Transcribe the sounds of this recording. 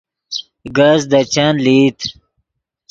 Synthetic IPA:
ɡazd̪at͡ɕanlit̪

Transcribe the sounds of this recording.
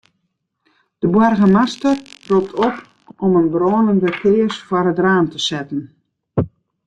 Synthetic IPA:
d̥əbwɔrɣəmastərrup̚tʰɔp | ɔmənbroːnəndəkɪːəsfwɔrətraːntəsɛtən̩

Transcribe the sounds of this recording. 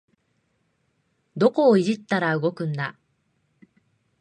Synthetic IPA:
d̪o̞ko̞ːiʑit̪ːaɾaɯ̟ɡo̞kɯ̟̃nːa

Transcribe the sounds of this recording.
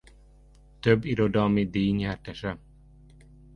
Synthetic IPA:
t̪øbːiɾod̪ɒlmid̪iːɲɛrt̪ɛʃɛ

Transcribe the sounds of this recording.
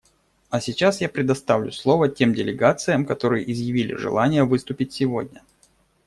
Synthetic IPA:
ɐsʲɪt͡ɕasjapɾʲɪd̪ɐst̪avlʲʊslˠo̞vətʲe̞mdʲɪlʲɪɡat̪sɨjəmkɐt̪o̞ɾɨjəʔɪzjɪvʲilʲɪ̰ʐɨ̰lˠanʲɪjəvɨst̪ʊpʲɪtʲsʲɪvo̞̰dʲnʲə

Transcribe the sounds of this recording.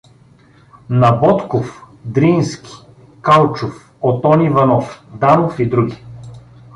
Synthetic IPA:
nɐbɔt̪kof | d̪ɾinskʲi̥ | kalˠt͡ʃof | ot̪ɔnivɐnɔfd̪anofid̪ɾuɡʲi

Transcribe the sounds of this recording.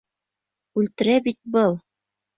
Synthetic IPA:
ʉlt̪ɘ̆ɾæbit̪̚bɤlˠ

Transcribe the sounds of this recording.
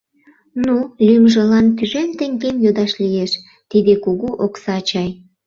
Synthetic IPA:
nulʲymʒə̆lɑnt̪yʒemt̪eŋɡemjod̪ɑʃlijeʃ | t̪id̪ekuɣuʔoksɑːt͡ɕɑj

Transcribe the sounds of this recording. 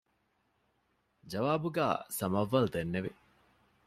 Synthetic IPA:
d͡ʒɐʋaːbuɡæ̰ːsɐmɐʋːɐld̪enːeʋi

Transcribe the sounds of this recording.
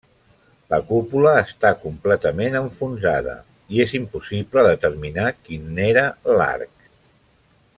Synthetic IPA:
ləkupuləːst̪akumplɛt̪əmenəɱfunzaðə̰ | iezimpusipləðət̪əɾminakineɾəla̰rk̚

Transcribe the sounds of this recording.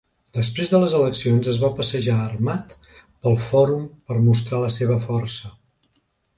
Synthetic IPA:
d̪əspɾezðələzələksionzəzβapəsəʒaːrmat̪ | pəlˠfɔɾumpəɾmust̪ɾaləseβəfɔrsə

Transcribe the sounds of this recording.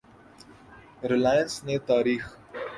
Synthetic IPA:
ɾɪlaːjə̃nsnet̪aːɾiːx

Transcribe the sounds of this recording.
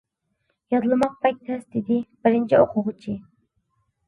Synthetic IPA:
jɑzɨlˠmɑq̚pɑjt̪̚t̪ʰɛsd̪ɪd̪ib̥ɪɾɪnt͡ʃʰɛoqʰʊʁt͡ʃʰi

